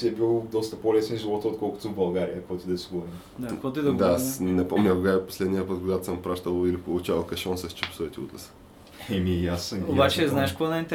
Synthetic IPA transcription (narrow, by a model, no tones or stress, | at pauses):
ɛbilˠd̪ɔst̪ɐpolɛsɛnʒivɔt̪ɔt̪̚kɔlˠkʊ̥t̪ubɐlˠɡaɾijəkvɔjt̪id̪ɛsiɡuɾɛn | d̪akɔt̪id̪d̪anɛpomɲʲɐkʊɡaɛpo̥slɛd̪nijəpət̪̚ɡoɡat̪ʊ̥səmpɾaʃt̪əlˠilipolˠʊt͡ʃavɐlˠkɐʃɔnsɛst͡ʃɛpo̥sɔit̪iṵt̪lɛsə̥ | ɛmiɛjasnobat͡ʃɛznaɛʃkoanɛint̪